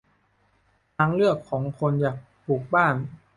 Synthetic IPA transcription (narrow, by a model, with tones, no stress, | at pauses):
t̪ʰa˦˧˥ŋɾɯ˥˩əkʰːɔː˩˦ŋkʰo˧njaː˨˩k̚p̪ʰuː˨˩k̚baː˥˩n